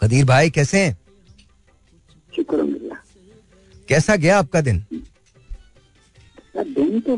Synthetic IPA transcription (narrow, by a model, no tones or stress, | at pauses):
kɐd̪iːɾbʱaːikɛːseɦɛ̃ | ʃʊkɾṵmɡɪlːaː | kɛːsaɡɐjaːp̚kad̪ɪn | sɐd̪ɪnt̪o